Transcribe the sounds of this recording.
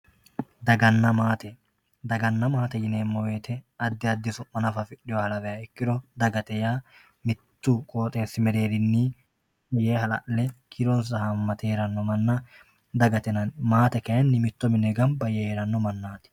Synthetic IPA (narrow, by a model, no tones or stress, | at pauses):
d̪ɐɡɐnːɐmaːt̪ɛ | d̪ɐɡɐnːɐmaːt̪ɛjɪneːmːɔwe̞ːt̪ʰɛɐd̪ːɪɐd̪ːɪsʊmːɐnɐfɐfɪᶑɪjɔhɐlɐvɛjɐɪkːɪd̪ɔd̪ɐɡɐt̪ɛjaː | mɪt̪ːukʼoːt̪ʼe̞ːsɪmɛɾe̞ːɾɪnːiː | ɛjeːhɐlɐ̰ʔlɛkʰɪɾɔns̬ɐhɐmːɐt̪eːɾɐnːɔmɐnːɐ | d̪ɐɡɐt̪ɛnɐnmaːt̪ɛkɐjɐnːɪmɪt̪ːɔmɪnɛɡɐmbɐjɛheːɾɐnːɔmɐnːaːt̪ɪ̥